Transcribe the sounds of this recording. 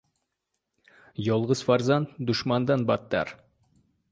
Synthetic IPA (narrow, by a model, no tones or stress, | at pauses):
jolˠʁɤz̥fɑɾzɑnd̪uʃmɑnd̪ɑnbɑt̪ːɑ̰ɾ